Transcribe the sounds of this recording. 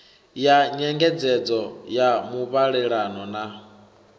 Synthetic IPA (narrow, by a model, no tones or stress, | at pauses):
jaɲɛŋɡɛd͡zɛd͡zɔjamuβaɺɛɺanɔna